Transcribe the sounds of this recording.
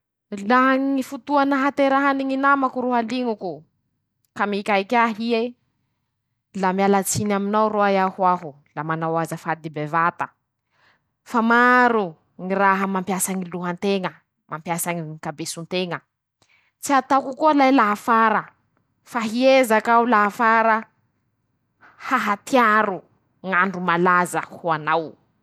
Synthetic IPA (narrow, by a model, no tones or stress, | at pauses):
laŋifut̪uanəɦat̪eɾaɦaniŋinamakuɾuɦaliŋuku | kamikʲajkʲaɦie | lamialat͡sinaminawroajahuaɦu | lamanawazəfad̪ibevat̪ə | famaɾu | ŋiraɦəmampjasaŋiluɦant̪eŋə | mampjasaŋiikabesunt̪eŋə | t͡siat̪akukualajlaɦafaɾə | faɦiezakaulaɦafaɾə | haɦat̪iaɾu | ŋaɳɖ͡ʐumalazəhuanaw